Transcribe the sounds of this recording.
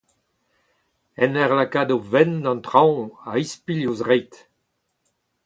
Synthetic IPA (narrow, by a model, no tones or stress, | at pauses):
ɛnɛʁlakad̪ovɛnd̪ɑ̃nt̪χãwaispiljosʁɛjt̪